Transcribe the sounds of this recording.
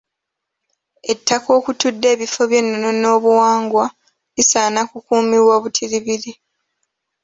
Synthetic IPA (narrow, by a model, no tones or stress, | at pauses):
e̞tʰːako̞ːkutudːe̞ːβifo̞βje̞nːonono̞ːβuwaːŋɡwa | lisaːnakukuːmiwoːβutʰiɾiβiɾi